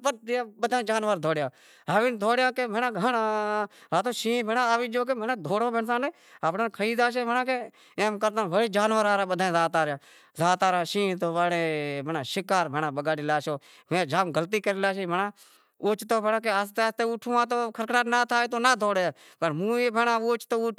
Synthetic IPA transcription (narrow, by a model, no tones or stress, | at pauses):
pəd̪aːɓəd̪ʱãːd͡ʒaːnʋəɾd̪ʱoːɽjãː | ɦaːʋind̪ʱoːɽjãːkeːbenãːɡʱənaaːt̪oːʃĩːbenãːʋiːd͡ʒoːk̬eːbenãːd̪ʱoːɽoːbəɳsaːneː | apnaːkʰəiːd̪aːʃ̬eːbənãːke | eːmkəɾt̪ãːʋəɽiːd͡ʒaːnʋəɾaːɾaːɓəd̪ʱãːzaːt̪aːɾjãː | zaːt̪aːɾaːʃĩːt̪oːʋaːɽeːbenãːʃɪkaːɾbʱenãːɓəɡaːɽiːlaːʃoː | mẽːd͡ʒaːmɡəlt̪iːkəɾiːlaːʃeːbənãː | ʊːt͡ʃt̪oːbʱenãːk̬eəst̪eːst̪eːuːʈʰũːãːt̪̬oːkʰəɾkɽaːnaːt̪ʰaːeːt̪̬oːnaːd̪ʱoːɽeː | pəʈmũːeːbʱenãːuoːt͡ʃt̪oːuː